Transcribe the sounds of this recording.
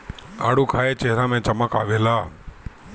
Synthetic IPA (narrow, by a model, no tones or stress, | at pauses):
aɽukʰaet͡ʃeɦɾamɛ̃t͡ʃəmakaʋela